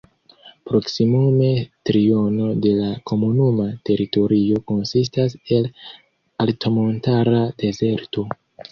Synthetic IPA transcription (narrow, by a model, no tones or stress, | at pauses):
pɾo̞ksimume̞tɾio̞no̞de̞lako̞munumate̞ɾito̞ɾio̞ko̞nsis̬tase̞l | altʰo̞mo̞ntaɾade̞ze̞ɾto̞